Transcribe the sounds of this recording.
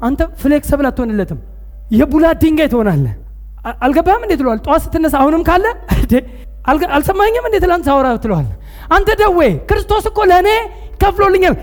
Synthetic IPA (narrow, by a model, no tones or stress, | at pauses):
ʔant̪ʰəfɨleksəβɨlat̪ʰːhonɨlːət̪ʰɨm | jɛbulad̪iŋɡajt̪ʰəhonalːə | alɡəbːamɨnd̪et̪ʰɨləwalt̪ʼowasɨ̥t̪ʰːɨnːəsahunɨmkʰalːəd̪e | alalsəmːaɲːamɨnd̪et̪ɨlant̪sawɔɾat̪ːɨləwa̰l | ʔant̪ʰəd̪əwːekɨɾɨst̪ʰo̞sɨkːo̞ləne | kʰəflolːɨɲːal